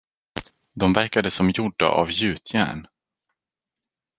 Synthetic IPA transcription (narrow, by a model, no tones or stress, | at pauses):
d̪ɔmvæɾkad̪əsɔmjʊɖːa̰ʔa̰vjʉ̟ːt̪ʰjæ̰ːɳ